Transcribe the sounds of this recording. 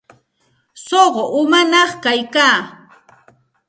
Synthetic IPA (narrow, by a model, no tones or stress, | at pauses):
soɢoʔʊmanɑχkajkaː